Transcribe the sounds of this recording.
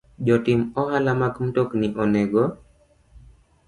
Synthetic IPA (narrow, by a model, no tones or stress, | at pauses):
d͡ʒɔtɪmɔɦalamakm̩tokniʔɔnɛɡɔ